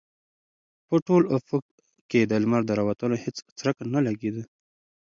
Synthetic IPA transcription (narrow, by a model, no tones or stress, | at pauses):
pəʈolʊfʊk | ked̪əlmaɾd̪əɾawat̪ənohɪt͡st͡sɾəkanalaɡed̪ə